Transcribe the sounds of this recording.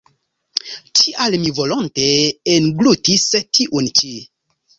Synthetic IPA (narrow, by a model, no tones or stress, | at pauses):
t͡ʃiʔalmivolonteːnɡlutistʰiʔunt͡ʃi